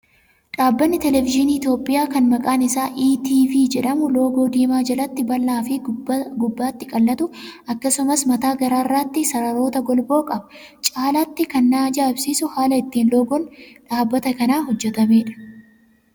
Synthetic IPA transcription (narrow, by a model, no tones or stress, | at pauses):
ᶑaːbːɐnːɪt̪ɛlɛvɪd͡ʒɪniːɪt̪jo̞ːpʼɪjaːkɐnmɐkʼaːnɪsaːʔiːt̪iːfiːd͡ʒɛᶑɐmʊlo̞ːɡo̞ːd̪iːmaːd͡ʒɐlɐt̪ːɪbɐlːaːfɪɡʊbːaːt̪ːɪkʼɐlːɐt̪ʊɐkːɐsʊmɐsmɐt̪aːɡɐɾaːɪrːaːt̪ːɪsɐɾɐɾo̞ːt̪ɐɡɔlbo̞ːkʼɐbɐ | t͡ʃʼaːlat̪ːɪkɐnːaːd͡ʒaːɪbsiːsʊhaːlɐɪt̪ːiːnlo̞ːɡɔnᶑaːbːɐt̪ɐkɐnaːɦɔd͡ʒːɛt̪ɐme̞ːᶑɐ̥